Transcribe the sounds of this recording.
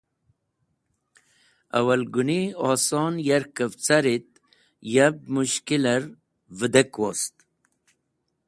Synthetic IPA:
ɐ̰wɐlɡuniɑːsoːnjaɾkəvt͡saɾit̪̚ | jab̚muɕkiləɾ | vəd̪ekwo̰st̪

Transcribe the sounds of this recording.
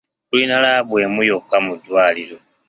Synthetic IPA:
kulinalaβwe̞ːmujokːamudwaːliɾo̞

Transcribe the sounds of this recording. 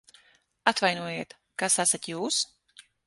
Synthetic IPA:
at̪vajnuɔjiːt̪ | kasasat̪juːs

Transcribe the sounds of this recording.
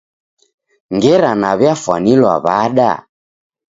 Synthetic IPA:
ŋɡɛɾanaβjafwa̰nilwa̰βaɗa̰

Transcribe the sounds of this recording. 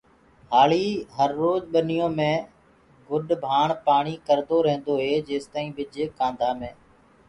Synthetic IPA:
haːliːɦəɾːoːd͡ʒɓənɪjõːmẽː | ɡʊɗbʱaːɳpaːɳiːkəɾd̪oːɾẽːnd̪oːɦeːd͡ʒeːst̪aːĩːɓɪd͡ʒkãːnd̪ʱaːmẽː

